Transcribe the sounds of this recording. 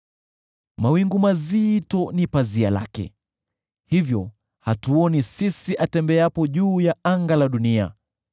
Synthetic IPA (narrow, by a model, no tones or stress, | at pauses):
mawiŋɡumazitɔnipaziala̰kɛ̰ | hivjɔ | hatuɔnisisiʔatɛmbɛapɔʄuːjaaŋɡalaɗunia̰